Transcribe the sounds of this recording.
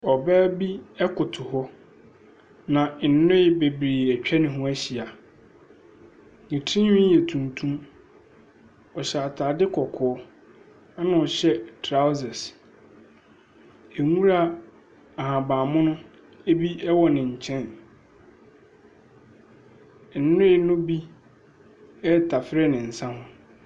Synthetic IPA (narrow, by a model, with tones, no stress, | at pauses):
ɔ˨bɛː˦bi˦ɛ˦kʰʊ˨tʰʊ˨hɔ˦ | nã˨n̩˨nʊ̃˦ɪ˦be˨bɾeː˨æ˨t͡ɕᶣɛ˦nɪ̃˨ɦʊ̃˦æ˦ɕi˨a˨ | nĩ˨tʰĩ˦hɪ̃˦jɛ˨tʰũ˨ntʰũ˦m | ɔ˨ɕɛ˨a˨tʰaː˨dɪ˦kʰɔ˨kʰɔ˨ɔ˦ | a˦nã˨ɔ˨ɕɛ˦tʰɾa˦ʊ˦zɛ˨s | e˨ŋũ˦ɾa˦ | a˨hã˨bãː˨mʊ̃˦nʊ̃˦ | e˦bi˦ɛ˦wɔ˨nɪ̃˨ɲ̩˨t͡ɕʰɛ̃˦˨n˨ | n̩˨˦nʊ̃˦ɪ˦˨˦nʊ̃˦bi˦ | ɛ˦tʰa˨fɪ˦ɾɛ˦nɪ̃˨n̩˨sã˦hʊ̃˦